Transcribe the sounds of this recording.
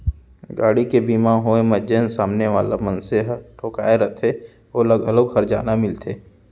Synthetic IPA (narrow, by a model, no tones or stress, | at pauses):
ɡaːɽikebiːmaɦoːeməd͡ʒensaːmneʋaːlamənseɦʈʰoːkaːeɾət̪ʰe | oːləɡəloːkhɐɾd͡ʒa̰ːnamɪlt̪ʰeː